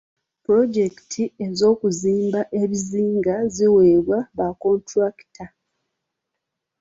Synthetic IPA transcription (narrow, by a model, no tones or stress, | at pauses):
puɾo̞d͡ʒe̞ki̥tʰie̞zo̞ːkuziːmbaʔe̞βiziːŋɡaziweβwaβako̞ntɾaki̥tʰa